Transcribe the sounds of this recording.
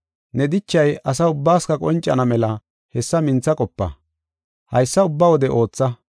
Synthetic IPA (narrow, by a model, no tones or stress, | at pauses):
nɛd̪ɪt͡ʃːɐjʔɐs̬ɐʊbːaːskɐkʼɔnt͡ʃʼːɐ̰nɐmɛlɐ | hɛsːɐmɪnt͡sːɐkʼɔpːɐ̰ | hɐjsːɐʊbːɐwɔd̪ɛʔo̞ːt͡sːɐ